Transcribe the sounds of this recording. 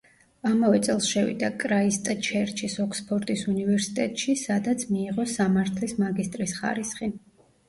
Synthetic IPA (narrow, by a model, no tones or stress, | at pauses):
amavɛt̪sʼɛlˠsʃɛvḭd̪akʼɾaist̪ʼat͡ʃʰɛɾt͡ʃʰisɔkʰspʰɔɾt̪ʼisunivɛɾsi̥t̪ʼɛt̪ʼʃisad̪at̪sʰmiːʁɔsamaɾt̪ʰlismaɡist̪ʼɾisχa̰ɾisχi